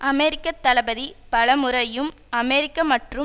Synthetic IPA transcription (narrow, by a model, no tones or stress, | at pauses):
ʔɐmeːɾɪkːɐt̪ːɐlɐbɐðipɐɭɐmʊɾɐjɯm | ɐmeːɾɪkːɐmɐʈrɯ